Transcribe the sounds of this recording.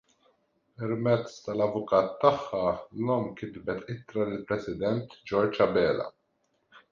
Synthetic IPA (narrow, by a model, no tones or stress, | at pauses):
pɛɾmɛt͡sːt̪ɐlɐvʊkɐːt̪ːɐħːɐlɔmkɪd̪bɛt̪ɪt̪ɾɐlɪlpɾɛsɪd̪ɛnt̪d͡ʒɔɾd͡ʒɐbɛːlɐ̰